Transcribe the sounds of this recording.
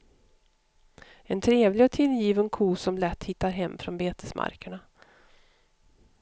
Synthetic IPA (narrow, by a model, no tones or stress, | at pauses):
ɛnt̪ʰɾeːvlɪɡɔt̪ʰɪljiːvənkʰuːsɔmlɛt̪ːhɪt̪ːaɾɦɛmːfɾɔnbeːt̪əsmʔa̰ɾkəɳa